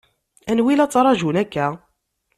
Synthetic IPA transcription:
ænwilæt͡sːˤɾˤɑʒunækːæ

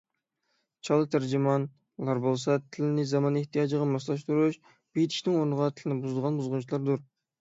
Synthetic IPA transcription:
t͡ʃʰɑlˠɨt̪ʰæɾd͡ʒimɑn | lˠɑɾbolˠsɑt̪ʰɪlɪnɪzɑmɑneht̪ʰijɑd͡ʒəʁɑmɑslˠɑʃt̪uɾuʃ | b̥ejt̪ʰi̥ʃnɪŋoɾnəʁɑt̪ʰɪlɪnɪbuzd̪əʁɑnbuzʁʊnt͡ʃʰilˠɑɾd̪uɾ

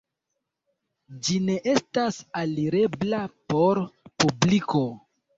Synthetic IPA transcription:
d͡ʒine̞ʔe̞stasaliɾe̞blapo̞ɾpubliko̞

